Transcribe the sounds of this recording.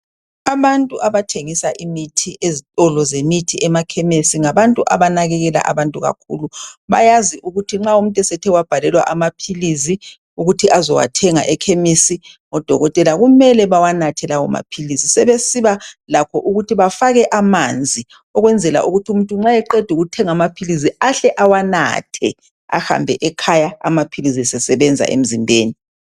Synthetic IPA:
aβantʼuʔaβatʰeŋisaʔimitʰiʔezitʼɔlɔzemitʰiɛmakʰɛmesiŋaβantʼuʔaβanaɣɛɣɛla̰ʔa̰βantʼuɣa̰kʰṵluβajaziʔuɣutʰiŋ͡ǁaum̩tʼɛsɛtʰɛwab̥ʱalɛlwa̰ʔamapʰilizi | uɣutʰiʔazɔwa̰tʰɛŋa̰ʔɛkʰemisiŋɔd̥ʱɔɣɔtʼɛlaɣumɛlɛβawanatʰɛlawɔma̰pʰilisisɛβesiβalakʰɔʔuɣutʰiβafaɣɛʔamand͡zʱi | ɔɣwɛnd͡zʱɛla̰ʔuɣutʰumuntʼuŋ͡ǁajɛǃɛd̥ʱuɣutʰɛŋamapʰiliziaɬɛʔawana̰tʰɛ | a̰ha̰mbʱɛʔɛkʰajaa̰mapʰilizisɛsɛβɛnd͡zʱa̰ʔḛm̩zimbʱeːni

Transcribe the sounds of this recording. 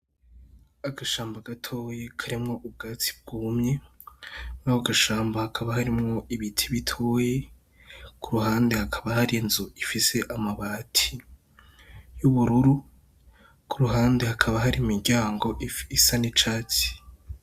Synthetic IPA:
aɡaʃaːmbaɡ̥atʰo̞ːje̞kʰaɾimŋo̞ʔub̚ɡaːt͡si̥b̚ɡ̥umɲe̞ | naoɡaʃaːmbahakʰaβahaɾimŋo̞iβitʰiβitʰoje̞ | kʰuɾuɦaːnde̞hakʰaβahaɾinzuifise̞ʔamaβaːtʰi | juβuɾuɾu | kuɾuɦaːnde̞hakʰaβaɦaɾimiɾɟaːŋɡo̞ʔifisanit͡ʃaːt͡si̥

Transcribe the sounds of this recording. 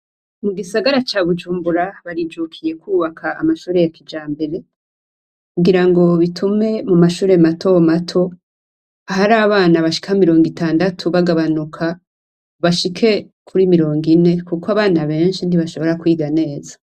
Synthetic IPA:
muɡisaɡaɾat͡ʃaːβud͡ʒuːmbuɾaβaɾid͡ʒukʰije̞kwuːβakʰaːmaʃuːɾe̞jakid͡ʒaːmbe̞ɾe̞ | kuɡiɾaŋɡo̞βitʰume̞mumaʃuːɾe̞matʰo̞matʰo̞ | aɦaɾaːβaːnaβaʃi̥kahmiɾo̞ːŋɡitaːndatʰuβaɡaβanukʰa | βaʃikʰe̞ | kʰuɾimiɾo̞ːŋɡine̞kukwaβaːnaβe̞ːnʃindiβaʃo̞βo̞ɾakwiːɡane̞ːzḁ

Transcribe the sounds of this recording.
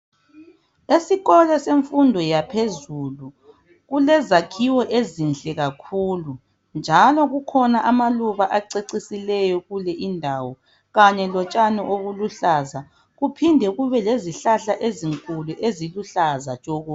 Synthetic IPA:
esiɣɔlɛseɱfundʱɔjapʰezulu | ɣulɛzakʰiwɔʔezinɬʼɛɣakʰuːlu | nd͡ʒʱalɔɣukʰɔnaʔamaluβaʔaǀeǀisilɛjɔɣulɛʔindʱawɔ | ɣaɲɛlɔt͡ʃʼanɛʔoɣuluɬaza | ɣupʰindʱɛɣuβɛleziɬaɬaʔeziŋkʼuluʔeziluɬaza̰̥t͡ʃʼoɣu

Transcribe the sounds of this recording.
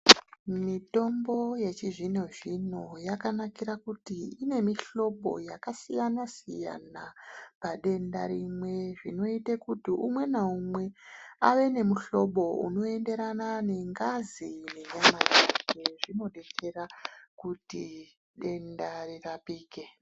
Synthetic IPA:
mito̞mbo̞je̞t͡ʃiʐino̞ʐino̞jakanakiɾakutiine̞miɬo̞ɓo̞̰jakasijanasija̰napaɗe̞nda̰ɾimwe̞ʐino̞itekutiʔumwe̞naumwe̞aʋe̞ne̞muɬo̞ɓo̞ṵno̞e̞nde̞ɾanane̞ŋɡazine̞ɲamad͡ʒekeʐino̞ɗete̞rakuti | ɗe̞ndarirapiːke̞

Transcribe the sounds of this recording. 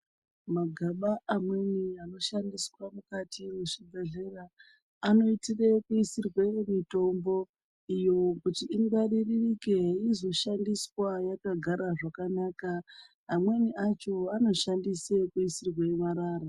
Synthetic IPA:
maɡʱaɓaamwe̞niano̞ʃandiswamukatimuʂibʱe̞ɮe̞raː | no̞itire̞kuisirwemito̞mbo̞ | ijo̞kutiʔːŋɡariririke̞izo̞ʃandiswajakaɡʱaɾaʐakanaːkaː | mwe̞niat͡ʃo̞ano̞ʃandisekuisirwaemaɾaːɾa

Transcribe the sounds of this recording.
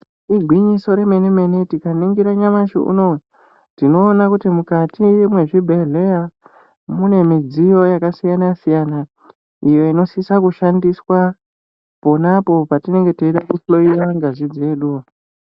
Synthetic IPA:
iɡʱwiɲiso̞ɾe̞me̞neme̞ne̞tikaniŋɡiɾaɲamaʃḭʔṵnoe | tino̞ːnakutimukatijimwe̞ʐibʱe̞ɮe̞ja | mune̞mid͡zijo̞jakasijanasijana | ijo̞ino̞sisakuʃandiswa | po̞napo̞patine̞ŋɡe̞toiɗakuflo̞iwaŋɡaʐid͡zeɗu

